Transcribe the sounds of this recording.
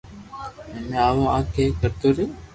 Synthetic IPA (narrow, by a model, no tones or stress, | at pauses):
ɛmẽːaːʋõːãːkʰeːkəɾt̪oːɾɪjoː